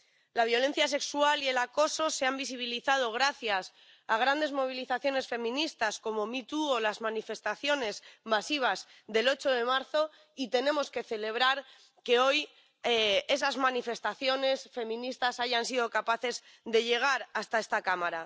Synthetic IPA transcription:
laβ̞jo̞le̞n̟θjas̬e̞kswalie̞lako̞so̞se̞ambis̬iβ̞iliθað̞o̞ɣ̞ɾaθjas | aɣ̞ɾand̪e̞zmo̞β̞iliθaθjo̞ne̞sfe̞mĩnist̪asko̞mo̞mit̪uolazmãnife̞st̪aθjo̞ne̞zmasiβ̞azðe̞lo̞t͡ʃo̞ðe̞maɾθo̞ | it̪e̞nẽ̞mo̞ske̞θe̞le̞β̞ɾaɾ | ke̞o̞j | e̞sazmãnife̞st̪aθjo̞ne̞sfe̞mĩnist̪asaʝansiðo̞kapaθe̞z | ðe̞ʝe̞ɣ̞aɾast̪ae̞st̪akamaɾa

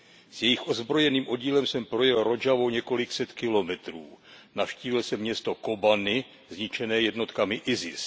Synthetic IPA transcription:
z̥jɛjɪxʔo̞zbɾo̞jɛniːmʔo̞ɟiːlɛmsɛmpɾo̞jɛlɾo̞d͡ʒavo̞wɲɛko̞lɪksɛt̪kɪlo̞mɛt̪ɾuːnafʃciːvɪlsɛmːɲɛst̪o̞ko̞banɪ | zɲɪt͡ʃɛnɛːjɛdno̞t̪kamɪʔɪzɪ̰s

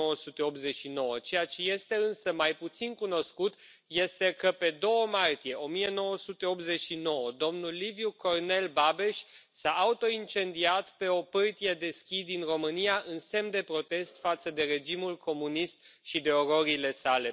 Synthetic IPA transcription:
owəsut̪e̞o̞p̪ze̞t͡ʃʃino̞wət͡ʃe̞jat͡ʃe̞je̞st̪e̞ɨnsəmajput̪sinkuno̞skut̪ | je̞st̪e̞kəpe̞d̪o̞wəmart̪ije̞ʔo̞mije̞no̞wəsut̪e̞o̞p̪̚ze̞t͡ʃʃino̞wəd̪o̞mnulːivjuko̞rne̞lbabe̞ʃʲsaʔːut̪o̞int͡ʃe̞nd̪iat̪pe̞o̞pɨrt̪ijed̪e̞skʲid̪inro̞mɨnijaʔɨnse̞md̪e̞pɾo̞t̪e̞st̪fat̪səd̪e̞ɾe̞d͡ʒimulkʰo̞munist̪̚ʃid̪e̞o̞ɾo̞ɾile̞sale̞

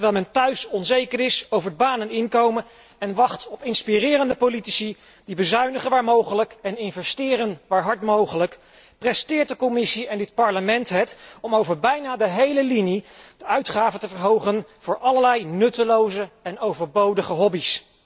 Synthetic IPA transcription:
tɹʋɛːlˠmɛntœɥsɔnzejkəɹɪsowvəɹdəbaːnənɪŋkowmən | ɛnʋɑχtɔpɪnspirɪːrəndəpolitisi | dibəzœɥnəχəʋaːɹmowχələkɛnɪnvɛstɪːrənʋaːɹɦɑɹtmowχələk | prɛstɪːɹt̚dəkɔmɪsiɛndɪtpɑɹləmɛntɦɛtɔmowvəɹbɛjnaːdəɦejləlinid̥əœɥtχaːvəntəvəɹɦowχənv̥ʊːɹʔɑləɹlɛjnɵtəlowzəɛnowvəɹbowdəχəɦɔbis

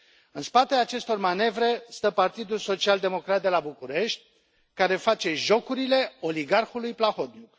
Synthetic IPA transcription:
ɨnspat̪eaːt͡ʃe̞st̪o̞rmane̞vɾe̞st̪əpart̪id̪ulso̞t͡ʃiald̪e̞mo̞kɾat̪̚d̪e̞labukuɾe̞ʃt̪̚ʲ | kaɾe̞fat͡ʃe̞ʒo̞kuɾile̞o̞liɡarxulujplaxo̞t̪̚nuk

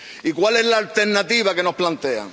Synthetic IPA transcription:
ikwale̞zlaːlt̪e̞ɾnat̪iβake̞no̞splant̪e̞a̰

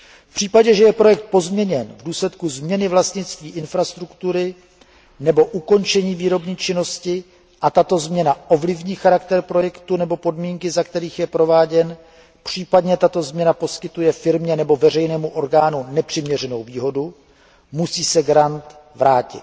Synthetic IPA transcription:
fpr̝̥iːpaɟɛʒɛjɛpɾo̞jɛk̚t̪̚po̞zmɲɛɲɛnvduːslɛt̪kuzmɲɛnɪvlast̪ɲɪt͡st̪viːʔɪnfɾast̪ɾukt̪uɾɪ | nɛbo̞ʔuko̞nt͡ʃɛɲiːviːɾo̞bɲiːt͡ʃɪno̞scɪ | ʔat̪at̪o̞zmɲɛnaʔo̞vlɪvɲiːxaɾakt̪ɛɾpɾo̞jɛkt̪unɛbo̞po̞dmiːŋkɪzakt̪ɛɾiːxjɛpɾo̞vaːɟɛn | pr̝̥iːpadɲɛt̪at̪o̞zmɲɛnapo̞skɪt̪ujɛfɪɾmɲɛnɛbo̞vɛr̝ɛjnɛːmuʔo̞ɾɡaːnunɛpr̥ɪmɲɛr̝ɛno̞wviːɦo̞du | musiːsɛɡɾant̪vɾaːcɪ̰t̪

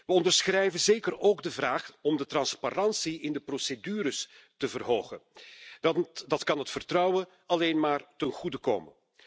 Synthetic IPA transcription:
ʋəɔndərsxrɛjvənzeːkəroːɡdəvraːχɔmdətrɑnsparɑnsiɪndəprosedyːɾəs | təvərɦoːɣən | dɑtkɑnɦətfərtrɑwə | ɑleːnmaːrtənɣudəko̰ːmən

